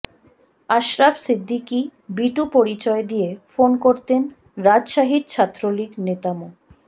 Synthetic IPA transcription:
aʃɾafsid̪ʱːikibiʈupoɾit͡ɕɔed̪ijefonkoɾt̪en | ɾad͡ʑʃaɦid̪̚t͡ɕʰat̪ːɾoliknet̪amo

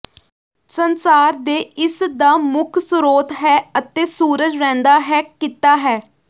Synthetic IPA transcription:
sənsaːɾd̪eːɪsd̪aːmʊkʰsʊɾoːt̪ɦɛːət̪eːsuːɾəd͡ʒɾɛ̃ːnd̪aːɦɛːkit̪aːɦɛː

